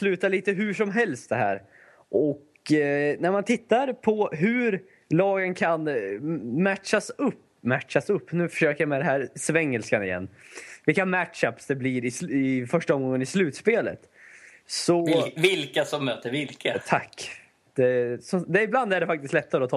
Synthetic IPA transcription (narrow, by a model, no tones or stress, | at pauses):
slʉ̟ːt̪aɭiːt̪əɦʉʂɔmɦɛlst̪̚d̪ɛɦæ̰ːɾ | ʔɔk | næɾmant̪ʰɪt̪ːaɾpʰɔɦʉɾ | lɑːɡənkʰan | mæʈʂasɵpː | mæʈʂasɵpːnʉ̟ːfœ̥ʂøːkəɾjamɛd̪ɛɦæːɾsvɛŋːəlskanɪ̰jɛ̰nːvɪlkːamæʈʂapsd̪ɛblɪɾɪsɪfœʂʈaɔmɡɔŋːənɪslʉ̟ːt̪speːlə̰t̪ | sɔvɪlkasɔmːøːt̪əɾvɪlkʰat̪ʰakː | d̪̥ɛsɔd̪ɛɾɪbland̪æɖɛfak̚t̪ɪst̪lɛt̪ːaɾəɔt̪ʰɑː